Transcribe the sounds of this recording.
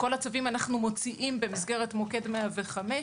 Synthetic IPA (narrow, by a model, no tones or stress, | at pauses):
ko̞lat͡savimanaχnumo̞t͡siʔimbe̞misɡe̞ʁetmoke̞dmeaveχame